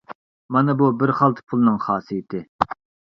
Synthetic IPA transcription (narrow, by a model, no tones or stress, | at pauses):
mɑnɨbubɪɾχɑlˠt̪ʰɨ̥pʰulˠɨnɨŋχɑːsijɪt̪ʰɪ